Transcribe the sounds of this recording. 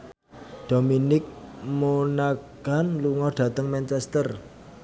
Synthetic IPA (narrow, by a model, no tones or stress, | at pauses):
ɖ̪̥o̤minɪk̚monaɡ̥anluŋɔɖ̥ä̤t̪əŋmɛnt͡ʃɛst̪ər